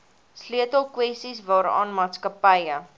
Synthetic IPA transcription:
sliətəlˠkwɛstisvɑːɾɑ̰ːnmɑːtskəpəjə

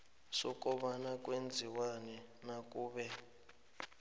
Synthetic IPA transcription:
sɔkʼɔɓanakʼwend͡zʱiwanɛ | nakʼuːɓɛ

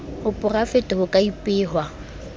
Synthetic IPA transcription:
hʊpʼʊrafɪtʼʊhʊkʼaipʼɪːɦwa

